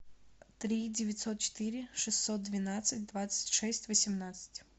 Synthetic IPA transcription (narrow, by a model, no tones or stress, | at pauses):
t̪ɾʲidʲɪvʲɪt̪ʲsot̪̚t͡ɕɪ̥t̪ɨɾʲɪʂɨsʲt̪sot̪̚d̪vʲɪnat̪sɨtʲd̪vat̪sɨ̥tʲʂɛsʲtʲvəsʲɪmnat̪sɨ̥tʲ